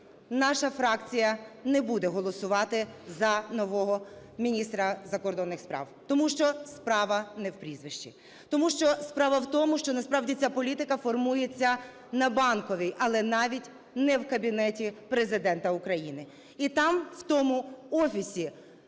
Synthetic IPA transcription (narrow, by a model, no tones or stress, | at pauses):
nɑʃɐfɾɑkt͡sʲijɐnɛbud̪ɛɦɔlˠɔsʊʋɑt̪ɪzɐnɔʋɔɦɔ | mʲinʲist̪ɾɐzɐkɔrd̪ɔnːɪxspɾɑ̰wt̪ɔmuʃt͡ʃɔspɾɑʋɐnɛwpɾʲizʋɪʃt͡ʃḭ | t̪ɔmuʃt͡ʃɔspɾɑʋɐwt̪ɔmʊʃt͡ʃɔnɐspɾɑwdʲit͡sʲapɔlʲit̪ɪkɐfɔrmujet͡sʲːɐ | nɐbɑnkɔʋʲijʔɐlˠɛnɑʋʲitʲ | nɛwkɐbʲinɛtʲipɾezɪd̪ɛnt̪ɐʊkɾɐjinɪ | it̪ɑmwt̪ɔmʊɔfʲisʲi